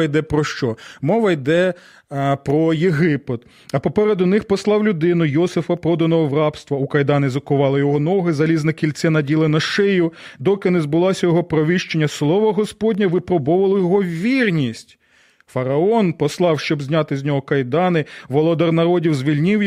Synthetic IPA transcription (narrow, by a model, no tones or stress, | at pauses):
ɐjd̪ɛpɾɔʃt͡ʃɔmɔʋɐjd̪ɛ | pɾɔjeɦɪped̪ | ɐpɔpɛɾed̪ʊnɪxpɔslˠɑwlʲʊd̪ɪnʊjɔsɪfɐpɾɔd̪ɐnɔɦɔwrɑpst̪ʋɐukɐjd̪ɑnɪzɐkʊʋɑlˠɪjɔɦɔnɔɦɪzɐlʲiznɐkʲilʲt̪sʲɛnɐdʲilˠɪnɐʃɪjʊd̪ɔkɪnɛzbʊlˠɑsʲɐjɔɦɔpɾɔʋʲɪʃt͡ʃenʲːɐslˠɔʋɐɦɔspɔdʲnʲɐʋɪpɾɔbɔʋɐlˠɔjɔɦɔwʋːʲirnʲisʲtʲ | fɐɾɐɔnpɔslˠɑwʃt͡ʃɔbzʲnʲɑt̪ɪzʲnʲɔɦɔkɐjd̪ɑnɪʋɔlˠɔd̪ɐrnɐɾɔdʲiwzʋʲilʲnʲɪw